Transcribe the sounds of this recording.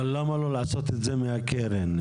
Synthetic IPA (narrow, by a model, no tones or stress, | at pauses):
ɔlɔmɔlɔlasɔtɪd͡zemeakɛɾɛnɛ